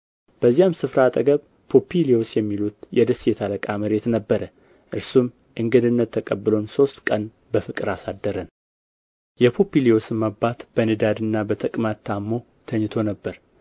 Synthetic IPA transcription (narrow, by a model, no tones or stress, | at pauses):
b̥əzːijamsɨfɾat̪ʼəɡəβ | pʰo̞pʰilio̞sjɛmːilut̪jɛd̪əsːjɛt̪ʰaləkʼaməɾe̞t̪nəbːəɾə | ʔɨɾsum | ʔɨŋɡɨd̪ɨnːət̪ʰːəkʼəbːɨlo̞nso̞st̪kʼən | bəfɨkʼɨɾasad̪ːəɾən | jɛpʰo̞pilio̞sɨmːabːat̪bənɨd̪ad̪ɨnːabət̪ʰəkʼmat̪ʰːamːo̞ | t̪ʰəɲːt̪ʰo̞nəbːəɾ